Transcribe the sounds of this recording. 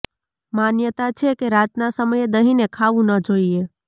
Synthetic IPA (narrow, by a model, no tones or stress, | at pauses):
manjət̪at͡ʃʰekeɾad͡ʒnasəməjed̪əɦinekʰaʋũnəd͡ʒoije